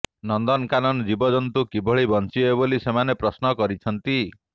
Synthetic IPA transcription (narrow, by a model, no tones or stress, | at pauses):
nɔnd̪ɔnkanɔnd͡ʒibɔd͡ʒɔnt̪ukibɔɭibɔnt͡ʃiɔeβolisemanepɾɔsnɔkɔɾit͡ʃʰɔnt̪i